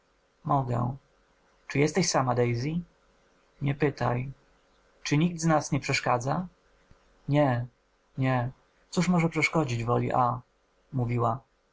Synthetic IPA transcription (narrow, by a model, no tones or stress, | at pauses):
mɔɡɛ̰̃ | t͡ʂɘjɛst̪ɛɕsamad̪ɛjzʲi | ɲɛpɘt̪a̰j | t͡ʂɘɲiɡ̚d̪znasɲɛpʂɛʂkad̪za | ɲɛ | ɲɛ | t̪suʂmɔʐɛpʂɛʂkɔd͡ʑid͡ʑvɔlʲḭʔa | muvʲiwa